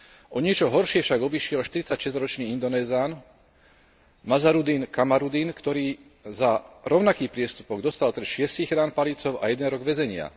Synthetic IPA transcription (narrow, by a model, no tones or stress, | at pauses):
ʔɔɲɪɛt͡ʃɔɦɔɾʃɪɛfʃaɡɔbiʃɪɛlʃt̪iɾit͡sacʃɛzɾɔt͡ʃniːind̪ɔnɛːzaːn | mazaɾud̪iːnkamaɾud̪inkt̪ɔɾiː | zaɾɔʊnakiːpɾɪɛst̪upɔɡd̪ɔst̪alt̪ɾɛʃɪɛsiːɣɾaːnpalit͡sɔʊajɛd̪ɛnɾɔɡʋɛzɛɲɪa̰